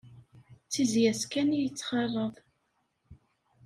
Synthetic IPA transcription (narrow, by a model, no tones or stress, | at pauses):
t͡sːizjæskænijət͡sːχɑrˤːəðˤ